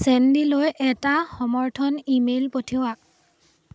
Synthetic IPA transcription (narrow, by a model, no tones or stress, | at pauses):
sɛndilojʔɛtaxɔmɔɹtʰɔnimelpotʰiwak̚